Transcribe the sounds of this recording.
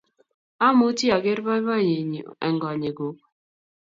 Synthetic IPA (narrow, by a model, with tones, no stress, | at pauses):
a˦mu˦ti˦a˨ɡe˦ɾba˦ba˦˨ɲe˨ɲ˨ɛ̰˨ŋɡɔ˨ɲe˨ɡo˨k̚